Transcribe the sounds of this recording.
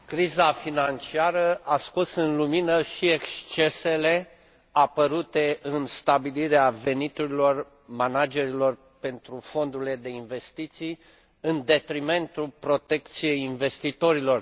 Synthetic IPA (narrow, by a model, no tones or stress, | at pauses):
kɾizafinant͡ʃiaɾəʔaskosɨnluminəʃiekst͡ʃe̞se̞le̞ | apəɾut̪e̞ʔɨnst̪abiliɾeave̞nit̪uɾilo̞r | manad͡ʒe̞ɾilo̞r | pe̞nt̪ɾufo̞nd̪uɾile̞d̪e̞inve̞st̪it̪sij | ɨnd̪e̞t̪ɾime̞nt̪ulpɾo̞t̪e̞k̚t̪sije̞jinve̞st̪it̪o̞ɾilo̞r